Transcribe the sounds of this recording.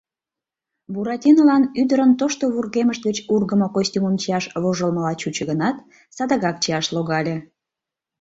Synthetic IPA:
buɾɑtʲinolɑnyd̪əɾənt̪oʃt̪oβurɣeməʃt̪̚ɡət͡ɕurɣəmokosʲtʲuməmt͡ɕiɑʃβoʒəlməlɑt͡ɕut͡ɕə̆ɣənɑt̪ | sɑd̪əɣɑk̚t͡ɕiɑʃloɣɑlʲe

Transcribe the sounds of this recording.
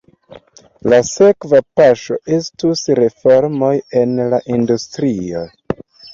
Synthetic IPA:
lase̞kvapaʃo̞ʔe̞stusɾe̞fo̞ɾmo̞je̞nlaʔindustɾio̰

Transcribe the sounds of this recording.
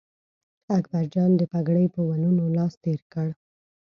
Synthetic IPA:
akbaɾd͡ʒɑnd̪əpaɡɽəjpəwanunolɑst̪eɾkəɽ

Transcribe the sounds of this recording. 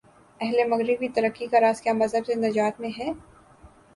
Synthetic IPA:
ɛɦlemɐɣɾɪbit̪ɐɾəkːikaɾaːskjaːmɐzɦəbsenɐd͡ʒaːt̪mẽɦɛː

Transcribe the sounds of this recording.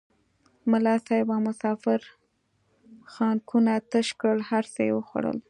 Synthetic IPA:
mʊlɑsɑjɪbɑmʊsɑfɪɾ | xɑnkʰunat̪əʃkəɽhaɾsəjewəxwa̰ɽə̰l

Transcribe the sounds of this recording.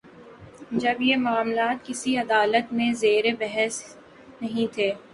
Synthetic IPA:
d͡ʒɐbjemʊaːmlaːt̪̚kɪsiɐd̪aːlət̪mẽzeːɾebɛɦɛs | nɐɦĩt̪ʰeː

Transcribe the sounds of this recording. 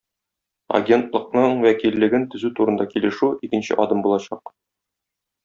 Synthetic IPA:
ɐ̰ɡʲe̞nt̪lˠɤ̆q̚nɤɴwækilːɘ̆ɡɘnt̪ɵ̆zʉt̪uɾɤ̆nd̪ɑkilɘ̆ʃʉikɘ̆nɕɘ̰ʔɒd̪ɤmbulˠɑɕɑq

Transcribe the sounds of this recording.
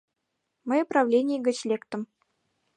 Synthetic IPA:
mə̆juprɑvlʲenʲɪjɘɡɘ̆t͡ɕlʲekt̪ɘ̆m

